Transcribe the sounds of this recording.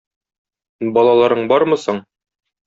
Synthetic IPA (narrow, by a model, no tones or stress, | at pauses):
bɒlˠɑlˠɑɾɤɴbɒɾmɤ̆sɤɴ